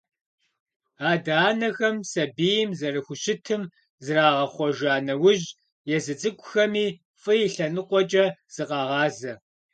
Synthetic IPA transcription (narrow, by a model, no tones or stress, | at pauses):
aːdaːnɐxɐmsɐbiːjɪmzɐrɨxʷʊɕɪtʰɨm | zɨraːʁɐχʷɔʒaːnɐwʊʑ | jɛzɨt͡sʼɨkʷʼʊxɐmiː | fʼɨjɪɬɐnɨqʷɔt͡ʃʼɐz̥ɨqɑːʁɑːzɐ